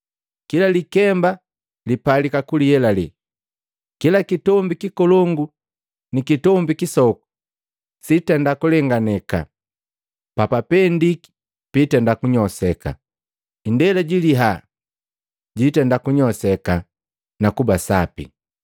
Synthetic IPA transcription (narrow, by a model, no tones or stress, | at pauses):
kilalikɛmba | lipalikakulijɛlali | kilakitɔmbikikɔlɔŋɡu | nikitɔmbikisɔku̥ | sitɛndakulɛŋɡanɛka̰ | papapɛndiki̥ | pitɛndakuɲɔsɛka̰ | indɛlɛɟiliɦa | ɟitɛndakuɲɔsɛka | nakubasa̰pḭ